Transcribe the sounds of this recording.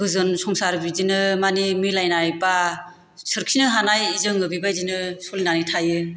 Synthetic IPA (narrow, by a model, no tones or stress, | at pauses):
bɯzɯnsɔŋsaɾbid͡ʒinɯmanimilajnajba | sɯɾkʰinɯɦanajizɯŋɯbibajzinɯsɔlinanitʰajɯ